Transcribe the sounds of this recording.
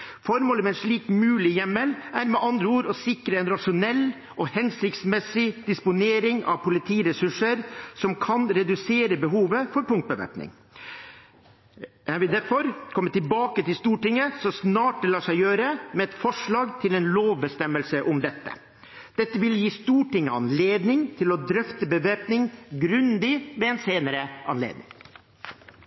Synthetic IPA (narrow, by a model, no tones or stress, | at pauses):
fɔɾmoːləmɛɛnʂɭiːkmʉːlɪjɛmːəlʔæɾmɛʔɑnd̪ɾəuːɾɔsɪkɾəɛnɾɑʂʊnɛlː | ʔɔhɛnsɪkt̪smɛsɪd̪̥ɪspʊneːɾɪŋɑ̰ʋpʊlɪt̪ʰiːɾɛsʉʂəɾsɔmkʰɑnɾɛd̪ʉseːɾəbəɦuːʋəfɔɾpʊŋt̪̚bəʋæ̰pnɪ̰ŋ | æʋɪd̪æɾfɔɾkʰɔmːət̪ɪbɑːkət̪ɪlst̪uːʈɪŋːəsɔsnɑːʈ̚d̪ɛlɑːʂæɪjøːɾəmɛɛt̪fɔʂɭɑːɡt̪ʰɪlɛnloːʋbəst̪ɛmːəlsəʔʊmd̪ɛt̪ːə̰ | d̪̥ɛt̪ːəʋɪljiːst̪uːʈɪŋːəɑ̰nleːd̪nɪŋt̪ʰɪlɔd̪ɾœft̪əbəʋeːpnɪŋɡɾʉnd̪ɪmɛɛnseːnəɾəʔɑ̰nlḛːd̪̚nɪ̰ŋ